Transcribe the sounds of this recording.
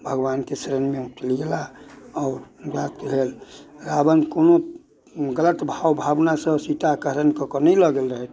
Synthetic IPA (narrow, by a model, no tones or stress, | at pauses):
bʱəɡwankesɾənmeuʈlɡelaɔɾbat̪̚keɦelɾabənkono | ɡələt̪bʱawbʱabnasə̃sit̪akəɦɾənkɔkɔnəjləɡelɾəɦɛt̪ʰ